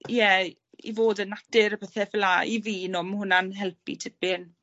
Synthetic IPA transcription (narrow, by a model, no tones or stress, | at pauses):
jɛ | ḭvoːdənad̥ɪɾəpʰɛθɛfɛlaʔḭviːnɔmhʊnanɦɛlˠpʰḭtʰɪbɪn